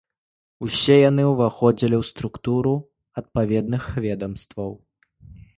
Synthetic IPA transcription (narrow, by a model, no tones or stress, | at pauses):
usʲɛjan̪ɨwvaxɔd͡zʲilʲiwst̪ɾukt̪uɾu | ɐt̪̚pavʲɛd̪̚nɨxvʲɛd̪ɐmst̪vɐw